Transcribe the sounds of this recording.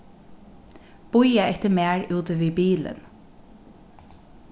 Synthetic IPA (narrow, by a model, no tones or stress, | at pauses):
b̥ʊjaɛt̪əmeːɹʉːt̪əʋiːbiːlə̰n